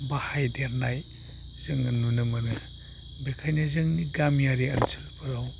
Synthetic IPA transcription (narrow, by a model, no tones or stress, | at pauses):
bahajdeɾnaj | z̥ɯŋɐnunɯmɐnɯ | bekʰajnazɯŋniɡamjaɾiɐnsʰɯlpʰɯɾaw